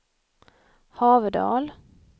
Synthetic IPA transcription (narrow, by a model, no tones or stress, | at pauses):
hɑːvəd̪ɑ̰ːl